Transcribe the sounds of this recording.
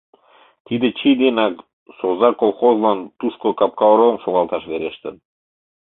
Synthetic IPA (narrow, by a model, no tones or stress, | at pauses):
t̪id̪ĕt͡ɕid̪enɑk | sozɑkolˠχozlɑnt̪uʃkokɑp̚kɑɾomʃoɣɑlˠt̪ɑʃβeɾeʃt̪ə̰̆n